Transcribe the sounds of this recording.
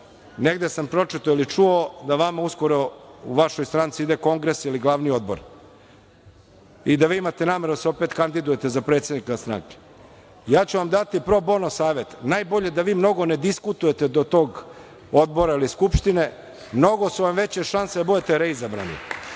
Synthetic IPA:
neɡd̪esampɾo̞t͡ʂit̪oilit͡ʂuod̪aʋamausko̞ɾouʋaʃojst̪ɾant̪siid̪eko̞ŋɡɾesiliɡlˠaʋnio̞d̪̚bo̰ɾ | id̪aʋiːimat̪enaːmeɾod̪aseo̞pet̪kand̪id̪uje̞t̪ezapɾet̪se̞d̪nikst̪ɾa̰ŋke̥ | jaːt͡ɕuʋamd̪at̪ipɾobo̞nosaːʋe̞t̪najbo̞ʎe̞d̪aʋiːmno̞ɡo̞ned̪iskut̪uje̞t̪ed̪ot̪o̞ːɡ | o̞d̪̚bo̞ɾailiskupʃt̪ine̞ | mno̞ɡosuʋamʋe̞t͡ɕeʃanseabud̪et̪eɾeizabɾa̰nḭ

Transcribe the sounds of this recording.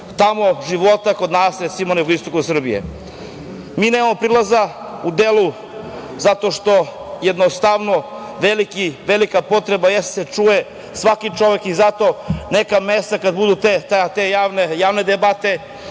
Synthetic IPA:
t̪amoʒiʋot̪ako̞d̪naːsɾet̪simoneɡoist̪o̞kusr̩bijḛ | miːnemamopɾilˠaza | ud̪elu | zat̪oʃt̪o̞jed̪nost̪aʋno | ʋelikiʋelikapo̞t̪ɾe̞bajest̪set͡ʂuje | sʋakit͡ʃo̞ʋe̞kizat̪o̞nekamest̪akad̪bud̪ut̪et̪t̪ejaːʋnejaːʋned̪ebat̪e̞

